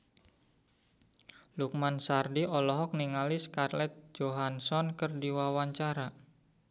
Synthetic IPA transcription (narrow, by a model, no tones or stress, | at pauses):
luk̚mansardiɔlɔɦɔk̚niŋaliskarlɛt̪̚d͡ʒoɦansɔnkərdiwawaɲt͡ʃaɾa